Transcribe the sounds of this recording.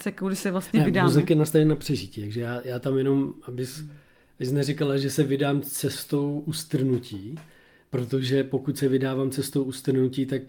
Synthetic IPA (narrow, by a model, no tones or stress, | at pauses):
t͡sɛkowdɪsɛvlasɲɛnɛɪdmaːuzɪkjɛnast̪avjɛnːapr̝̥ɛʒɪciːt̪aɡʒɛjaːjaːt̪amjɛno̞mʔabɪs | bɪsnɛrɪkalaʒɛsɛvɪdaːmt͡sɛst̪o̞wʔust̪r̩nuciː | pɾo̞t̪o̞ʒɛpo̞kucsɛvɪdaːvaːmt͡sɛst̪o̞wʔust̪r̩nuciːt̪ak